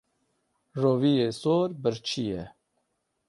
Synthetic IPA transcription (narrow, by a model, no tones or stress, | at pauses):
roːvijeːsoːɾbɨɾt͡ʃʰijɛ